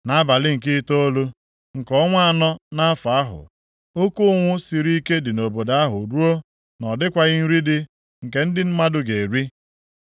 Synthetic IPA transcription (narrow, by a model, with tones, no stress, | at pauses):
na˦ba˨lɪ˦ŋ̩˨kɪ˦to˦o˦lo˦ | ŋ̩˨kɔ˦ŋʷ˦˨nɔ˦na˦a˦fa˨a˦ɦʊ̰˨ | o˦ku˦ʊ˦ŋʷʊ˦si˨ɾi˦ke˦dɪ˨no˨bo˨da˨˦a˦ɦʊ̰˨ɾu˦o˦ | nɔ˨dɪ˦kʷa˦ɣɪ˦n̩˦ɾi˦dɪ˦ | ŋ̩˨ke˨n̩˦dɪ˦m̩˦ma˦dʊ˦ɡe˨ɾi˦